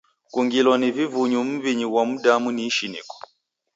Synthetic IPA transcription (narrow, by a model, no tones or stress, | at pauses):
kuŋɡilɔnivivuɲum̩βiɲiwamudamuniʃinḭkɔ̥